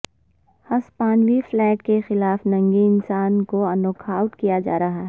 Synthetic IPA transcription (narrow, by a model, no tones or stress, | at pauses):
hɐspaːnwiflɛːʈkexɪlaːfnɐ̃ŋɡiɪnsaːnkoɐnoːkʰaːʊʈkijad͡ʒa̰ːɾɐɦaɦɛ